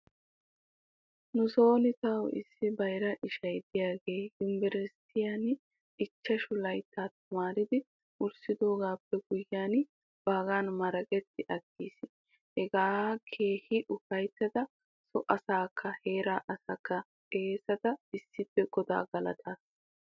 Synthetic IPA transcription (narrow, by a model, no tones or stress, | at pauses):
nʊso̞ːnɪt̪ɐwɪ̰sːɪbɐjɾɐʔɪʃɐjd̪ɪjaːɡe̞ːjʊmbɛɾɛst̪ɪjan | ɪt͡ʃːɐʃʊlɐjt̪ːaːt̪ɐmaːɾɪd̪ɪ | ʊɾsɪd̪o̞ːɡaːpːɛɡ̥ʊjːaːn | b̥aːɡaːnmɐɾɐkʼɛt̪ːɪʔɐɡːiːsɪ | hɛɡaːkʰe̞ːhɪʔʊfɐjt̪ːɐd̪ɐ | sɔʔɐsaːkʰːɐhe̞ːɾaːʔɐsɐkːɐ | kʼe̞ːsɐt̪ɐɪsːɪpːɛɡ̥ɔd̪a̰ːɡɐlɐ̰t̪ʰaːs